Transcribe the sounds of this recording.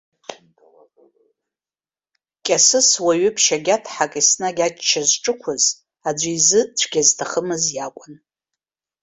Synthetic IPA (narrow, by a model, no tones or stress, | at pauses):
kʲʼasɨswaɥʏpʰʃaɡʲatʰħakʼisnaɡʲat͡ʃʼt͡ʃʰːazʈ͡ʂʼɨkʷʰʊz | ad͡ʒʷiizɨt͡ɕʷʰɡʲaztʰaχəmɨzjakʷʼʊn